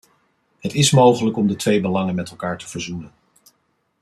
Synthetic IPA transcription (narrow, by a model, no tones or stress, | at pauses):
ɦətɪsmowχələkɔmdətʋejbəlɑŋənmɛtɛlˠkaːɹtəv̥əɹzunən